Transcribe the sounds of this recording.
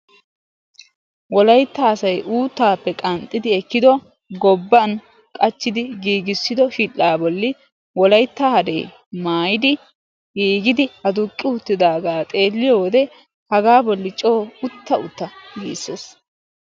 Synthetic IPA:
wɔlɐjt̪ːaːsɐjʔuːt̪ːaːpːɛkʼɐnt̪ʼːɪd̪ɪɛkːɪd̪ɔ | ɡɔbːɐn | kʼɐt͡ʃːɪd̪ɪɡiːɡɪsːɪd̪ɔʃilːaːbɔlːɪ | wɔlɐjt̪ːahɐd̪e̞̰ː | maːjɪd̪ɪ | ɡiːɡɪd̪ɪɐd̪ʊkʼːɪʊt̪ːɪd̪aːɡaːt̪ʼe̞ːlːɪjɔwɔd̪ɛ | hɐɡaːbɔlːɪt͡ʃʼo̞ːʊt̪ːɐʊt̪ːɐɡḭːsːeːs

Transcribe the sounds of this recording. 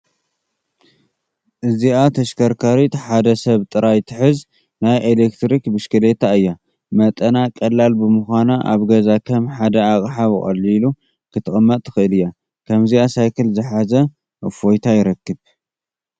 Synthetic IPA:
ʔɨziat̪ʰɐʃkʰɐɾkʰaɾit̪ʰħad̪ɐsɐβt̪ʼɨɾajt̪ʰɨħɨz | najʔelekt̪ɾikbɨʃkɨlet̪ʰaɨjːa | mɐt̪ʼɐnakʼɐlːalbɨmɨxʷanaʔa̰βɡɐzakʰɐmħad̪ɐakʼħaβɨχʼɐ̰lilu | kʰɨt̪ʰɨχʼɐmːɐt̪ʼːɨ̥xɨɨlɨjːa | kʰɐmziasajkʰɨlzɨħazɐ | ʔfo̞jt̪ʰajɪɾɐkːɨβ

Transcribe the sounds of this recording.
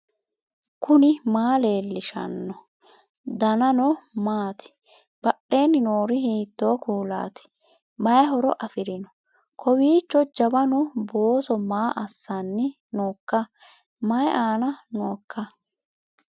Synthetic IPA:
kʰʊnɪmaːle̞ːlːɪʃɐ̰nːɔ | d̪ɐnɐnɔmaːt̪ɪ̥ | b̥ɐɗːe̞ːnɪnoːɾɪɦiːt̪ːo̞ːkuːla̰ːt̪ɪ̥ | mɐjɐɦɔɾɔʔɐfɪɾɪnɔ | kʰɔwiːt͡ʃːɔd͡ʒɐbɐnʊboːsɔmaːʔɐsːɐnːɪ | noːkːɐ | mɐjʔaːnɐnoːkːɐ

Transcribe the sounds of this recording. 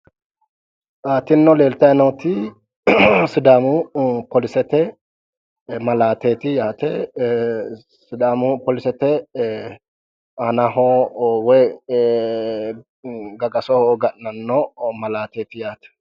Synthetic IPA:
ʔaːt̪ɪnːɔle̞ːlt̪ɐjɐnɔwt̪ɪ | sɪd̪aːmʊpɔlɪsɛt̪ɛ | mɐlaːt̪eːt̪ɪjaːt̪ɛ | sɪd̪aːmʊpɔlɪsɛt̪ɛ | ɐnɐɦɔwɔj | ɡɐɡɐsɔhɡɐʔnɐnːɔmɐlaːt̪eːt̪ɪjaːt̪ɛ̥

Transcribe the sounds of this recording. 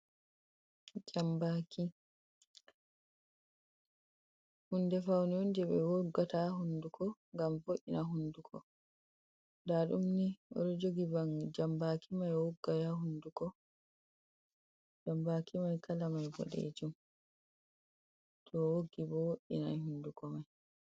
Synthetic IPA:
d͡ʒambaki | hundɛfawniundɛbɛ̰woɡːataɦundukʰɔŋɡamfoʔːḭnaɦundukʰɔ̰ | daɗumniʔɔ̰ɗɔd͡ʒoɡiband͡ʒambaːkʰimajwoɡːajaɦundukɔ | d͡ʒambakimajkalamajbɔ̰ɗḛd͡ʒum | tʰɔwoɡːibɔwoʔḭna̰jhundukɔmaj

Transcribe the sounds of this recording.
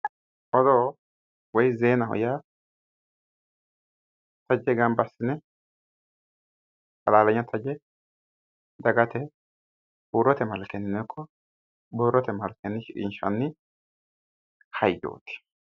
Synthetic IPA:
ʔɔd̪oː | wɔjzeːnɐhɔ̰ja | t̪ɐd͡ʒːɛɡɐmbɐsːɪnɛ | sɐlaːlɐɲːɐt̪ʰɐd͡ʒɛ | d̪ɐɡɐt̪ɛ | buːɾɔt̪ɛmɐlkɛnːɪnɛkʰːɔ | bɔɾɔt̪ɛmɐlkɛnːɪʃɪᶑɪ̰nʃɐ̰nːɪ | hɐjːo̰ːt̪ɪ̥

